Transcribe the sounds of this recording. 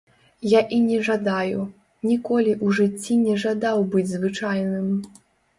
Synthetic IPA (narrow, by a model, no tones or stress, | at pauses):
jaʔinʲɛʐad̪aju | nʲikɔlʲiʔuʐɨt͡sʲːinʲɛʐad̪awbɨd͡zʲzvɨt͡ʂajnɨm